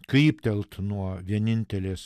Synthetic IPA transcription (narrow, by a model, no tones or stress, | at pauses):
kʲiːpʲt̪ʲɛlˠt̪nuɔʋʲiɛnʲɪnʲt̪ʲɛlʲeːs